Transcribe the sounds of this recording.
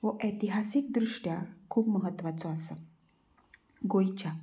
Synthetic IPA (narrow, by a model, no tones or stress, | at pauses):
ʋəʔet̪iɦasik̚d̪ɾuʂʈjakʰuːpməɦət̪ːʋat͡sɔasə | ɡojt͡ɕa